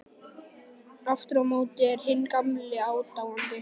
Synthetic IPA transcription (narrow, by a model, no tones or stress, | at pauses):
aft̪ɾɔmoːwt̪ɪɛɾhɪnːkamlɪaːwt̪awant̪ɪ